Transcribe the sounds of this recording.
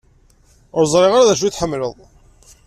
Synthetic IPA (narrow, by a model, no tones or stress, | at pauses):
ʊɾzˤɾˤɪʁaɾaðæʃ̬uθħəmːləðˤ